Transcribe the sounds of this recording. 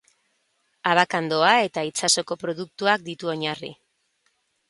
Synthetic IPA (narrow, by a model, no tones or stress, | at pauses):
aβakand̪o̞ae̞t̪ait͡saso̞ko̞pɾo̞ðuk̚t̪uak̚d̪it̪uo̞ɲarḭ